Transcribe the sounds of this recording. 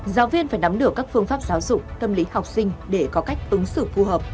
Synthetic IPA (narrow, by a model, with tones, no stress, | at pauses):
zaː˨˦wvi˧ənfaː˧˩jna˨˦mɗɨ˨˩əkːaː˦˥k̚fɨ˧əŋfaː˦˥p̚zaː˨˦wzʊ˨˩k͡p̚t̪ə˧mli˨˦ha˨˩wk͡p̚sï˧ŋ̟ɗe˧˩kɔ˨˦ka˦˥jk̟̚ʔɨ˨˦ŋsɨ̰˧˨fu˧həː˨˩p̚